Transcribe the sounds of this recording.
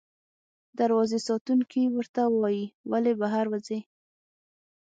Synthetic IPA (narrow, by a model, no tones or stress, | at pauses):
d̪aɾwɑzesɑt̪uŋkʰiwəɾt̪awɑjiwalebaɦaɾwaze